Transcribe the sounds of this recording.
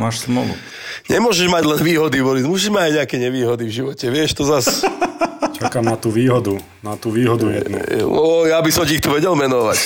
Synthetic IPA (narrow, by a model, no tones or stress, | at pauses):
maːʃsmɔṵ | ɲɛmʊɔʒɛʒmaɟlɛnʋiːɦɔd̪iʋɔlizmʊɔːʃ̬iʒmaɟaɲɛakɛɲɛʋiːɦɔd̪ivʒiʋɔcɛʋɪɛʃt̪ɔzas | t͡ʃakaːmnat̪uːʋiːɦɔd̪u | nat̪uːʋiːɦɔd̪ujɛnṵɔ̰jabisɔmciːxt̪uʋɛɟɛlmɛnɔʋac